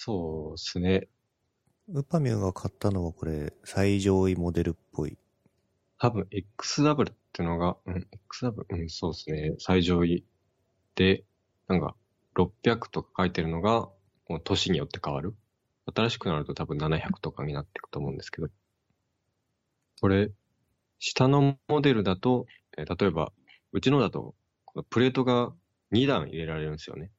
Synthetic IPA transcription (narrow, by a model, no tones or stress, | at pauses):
so̞ːsɨne̞ | ɯ̟pamʲɯːɡakʰat̪ːano̞βako̞ɾe̞saiʑo̞ːimo̞d̪e̞ɾɯ̟pʰːo̞ḭ | t̪abɯ̟̃ɰ̃ekːɯ̥sɨd̪abɯ̟ɾɯ̟t̪ːeɯ̟no̞ɡaɯ̟̃ɴekːɯ̥sɨd̪abɯ̟ɾɯ̟ɯ̟̃ɴso̞ːsɨne̞saiʑo̞ːi | d̪̥e̞ | nãŋka̰ | ɾo̞pʲːjakɯ̟̥t̪o̞kḁkait̪e̞ɾɯ̟no̞ɡa | ko̞t̪o̞ɕiɲ̟ijo̞t̪ːe̞̥kaβaɾɯ̟ | at̪aɾaɕi̥kɯ̟naɾɯ̟t̪o̞t̪abɯ̟̃nːanaçakɯ̥t̪o̞kaɲ̟inat̪ːe̞̥kɯ̥t̪o̞mo̞ɯ̃nd̪e̞sɨ̥ke̞d̪o̞ | ko̞ɾe̞ | ɕi̥t̪ano̞mo̞d̪e̞ɾɯ̟d̪at̪o̞ | et̪at̪o̞e̞ba̰ | ɯ̟t͡ɕino̞d̪at̪o̰ | ko̞nopɯ̟ɾe̞ːt̪o̞ɡa | ɲ̟id̪ãɰ̃ḭɾe̞ɾaɾe̞ɾɯ̟̃nesɨjo̰ne̞